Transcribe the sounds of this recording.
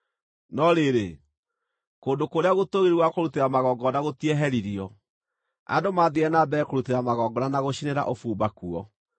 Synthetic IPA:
nɔɾeɾe | koːndokoɾeaɣotoɣeɾwakoɾuteɾamaɣɔɡɔnaɣotiɛɦɛɾiɾiɔ | a̰domaðiɛnabɛkoɾuteɾamaɣɔɡɔnanaɣoɕineɾa̰ʔofuːbakuɔ

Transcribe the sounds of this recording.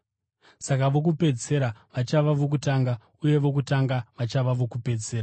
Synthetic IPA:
sakaʋo̞k̬upe̞d͡ze̞ɾaʋat͡ʃaʋaʋo̞k̬utaːŋɡa | uje̞ʋo̞kutaŋɡaʋat͡ʃaʋaʋo̞kupe̞d͡zeːra

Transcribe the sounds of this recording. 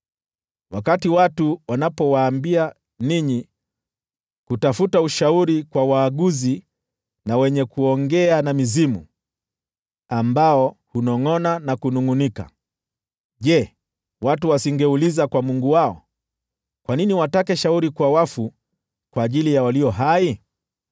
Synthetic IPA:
wakatiwatuwanapɔwaːmbia | niɲi | kutafutauʃauɾikwawaːɠuzi | nawɛɲɛkuɔŋɡɛanamizimṵ | ambaɔhunɔŋɔnanakunuŋunika̰ | ʄɛ | watuwasiŋɡɛulizakwamuŋɡuwaɔ̰ | kwaniniwatakɛʃauɾikwawafu | kwaːʄilijawaliɔɦai

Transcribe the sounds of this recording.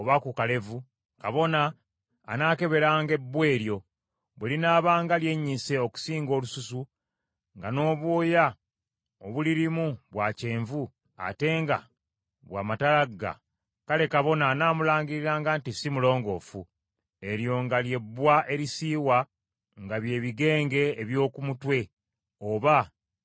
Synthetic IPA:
oβakukale̞vu | kaβo̞naː | naːke̞βe̞ɾaːŋɡe̞bːwe̞ːɾjo̞ | βwelinaːβaːŋɡalje̞ɲːise̞o̞ku̥siːŋɡo̞ːlususu | ŋɡano̞ːβwoːja | oβuliɾimuβwace̞ːɱvu | a̰te̞ːŋɡa̰ | βwa̰ːmatalaɡːa̰ | kale̞kaβo̞nanaːmulaːɲɡiɾiɾaːŋɡaːntisimulo̞ːŋɡo̞ːfu | e̞ɾjo̞ŋɡalje̞bːwaʔe̞ɾisiːwa | ŋɡaβje̞ːβiɡe̞ːŋɡe̞ːβjo̞ːkumutwe̞ | oβa

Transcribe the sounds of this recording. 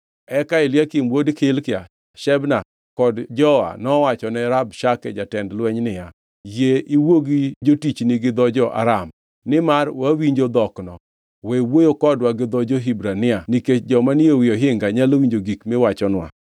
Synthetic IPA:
ɛkaɪljakɪmwodkɪlkɪa̰ | ʃɛbna | kɔdd͡ʒɔa̰nɔwat͡ʃɔnɛɾabʃakɛ̰d͡ʒatɛndlwɛɲnɪja | jeʔiwoɡid͡ʒotit͡ʃnɪɡɪd̪ɔd͡ʒɔʔa̰ɾam | nɪmarwawiɲd͡ʒod̪ɔknɔ | wɛwojokɔdwaɡɪd̪ɔd͡ʒoɦibɾanɪaniked͡ʒɔmaniowɪjɔɦɪŋɡaɲalowiɲd͡ʒoɡikmewat͡ʃɔnwa̰

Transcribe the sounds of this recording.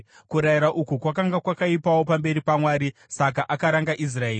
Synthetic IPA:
kuɾaiɾaʔukukwakaŋɡakwakaipawo̞pambe̞ɾipamwaːɾisak̬aʔakaɾaŋɡaʔis̬raeː

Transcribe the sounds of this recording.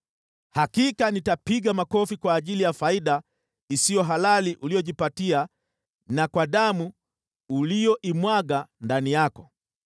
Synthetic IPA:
hakikanitapiɠamakɔfikwaːʄilijafaiɗa | isijɔɦalaliʔulijɔʄipatia | nakwaɗamu | ulijɔʔimwaɠandanijakɔ

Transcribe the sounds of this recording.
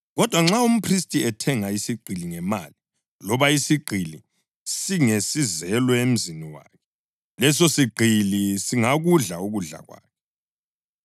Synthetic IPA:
ɣɔd̥ʱwaŋ͡ǁaum̩pʰristʼiɛtʰɛŋaisiɡ͡ǃʱiliŋɛma̰ːli | lɔβaisiɡ͡ǃʱili | siŋesizɛlwɛem̩ziniwa̰ːkʰɛ | lɛsosiɡ͡ǃʱilisiŋaɣuɮauɣuɮa̰ɣwa̰ːkʰɛ

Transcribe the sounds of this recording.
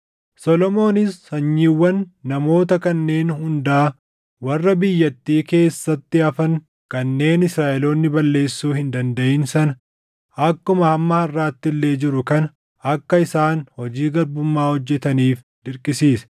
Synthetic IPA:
sɔlɔmo̞ːnɪsɐɲːiːwːɐnːɐmo̞ːt̪ɐkɐnːe̞ːnhʊnd̪aː | wɐrːɐbɪjːɐt̪ːiːke̞ːsːɐt̪ːɪɐfɐŋ | kɐnːe̞ːnɪsɾaːʔɛloːnːɪbɐlːe̞ːsːuːhɪnd̪ɐnd̪ɐʔɪnsɐnɐ | ɐkːʊmɐɐmːɐhɐrːaːt̪ːɪlːe̞ːd͡ʒɪɾʊkɐnɐ | ɐkːɐɪsaːnhɔd͡ʒiːɡɐɾbʊmːaːhɔd͡ʒːɛt̪ɐniːf | d̪̥ɪɾkʼɪsiːsɐ̥

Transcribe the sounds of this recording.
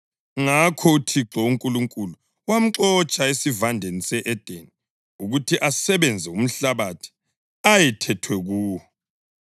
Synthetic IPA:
ŋakʰɔutʰiǁɔuŋkʼuluŋkʼulu | wam̩ǁɔt͡ʃʼaesivandʱenisɛʔɛd̥ʱeni | uɣutʰiʔasɛβɛnd͡zʱɛum̩ɬaβatʰi̥ | ajɛtʰɛtʰwɛɣuːwɔ

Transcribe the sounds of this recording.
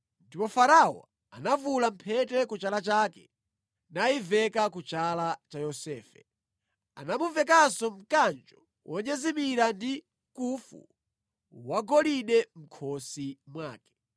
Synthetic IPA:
ndipɔfaɾawɔ̰ | a̰navulam̩pʰɛtɛkut͡ʃalat͡ʃaːkɛ | naivɛkakut͡ʃalat͡ʃajɔsɛːfɛ̰ | a̰namuvɛkasɔm̩kand͡ʒɔ | wʔɔɲɛzimiɾandi | kufṵ | waɡɔliɗɛm̩kʰɔsimwaːkɛ̥

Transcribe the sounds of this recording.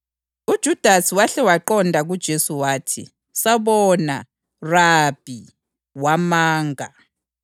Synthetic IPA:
ud̥ʒ̥ʱud̥ʱasiwaɬɛwaǃɔndʱaɣud̥ʒ̥ʱesuwaːtʰḭ | saβɔna̰ | rab̥ʱi | wamaːŋʱa

